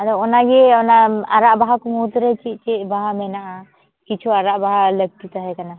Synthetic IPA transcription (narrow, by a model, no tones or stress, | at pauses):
aɾɔɔnaɡɛɔnaa̰ɾaʔbaɦakumut̪ɾɛt͡ʃiʔ̪̚ˀt͡ʃɛʔbaɦamɛnaʔa | kit͡ʃʰuaɾaʔbaɦaləɡ̚t̪it̪aɦɛkana